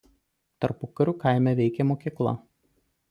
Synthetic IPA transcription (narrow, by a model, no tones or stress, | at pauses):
t̪ɐɾpʊkɐɾʲuːkaˑɪmʲɛʋʲɛɪkʲɛmoːkʲiklˠɐ̰